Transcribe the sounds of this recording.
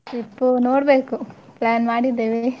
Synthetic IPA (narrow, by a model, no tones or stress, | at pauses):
ʈipːunoːɽbeːku | plaːnmaːɽid̪ːeːʋi